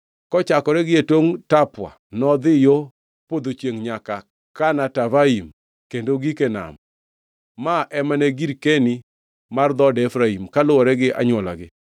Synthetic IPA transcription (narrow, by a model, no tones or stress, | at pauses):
kɔt͡ʃakɔɾɛɡɪetoŋtapwa̰nɔd̪ɪjo | pod̪ot͡ʃjeŋɲaka | kanatavaim | kendoɡikena̰m | maʔɛmanɛɡiɾkeni | mard̪ɔdɛfɾaimkalʊwɔɾɛɡɪʔa̰ɲwɔla̰ɡɪ